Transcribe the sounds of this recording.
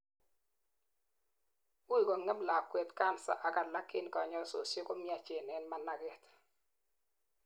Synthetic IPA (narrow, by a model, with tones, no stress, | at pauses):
u˦i˨kɔ˨ŋɛ˦bla˨kːwɛ˨tka˦˨nsa̰˦ʔa˨ka˨na˦kːɪ˦n˨kɔ˨ɲɔ˦˨so̰˨si˦kɔ˦mi˦a˨t͡ʃe˨nɛ˨nma˨nːa˨ɡɛ˨t